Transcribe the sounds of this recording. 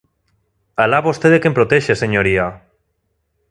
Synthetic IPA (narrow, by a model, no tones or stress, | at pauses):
alaβost̪eðekempɾot̪eʃeseɲoɾia